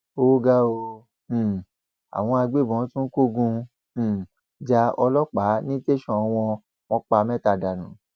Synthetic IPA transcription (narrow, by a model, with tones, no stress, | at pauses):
o˦ɡa˦õ˧˨ | a̰˨w̃ɔ̃˧a˧ɡ͡be˦˨bɔ̃˨˦tũ˦n̩˦ko˦˨ɡũ˧˨ | d͡ʒa˧ɔ˧lɔ˦k͡pa˨˦nĩ˦te˦ʃɔ̃˧˨˧w̃ɔ̃˧ | w̃ɔ̃˦k͡pa˧mɛ̃˦ta˧˨da˨nũ˨˦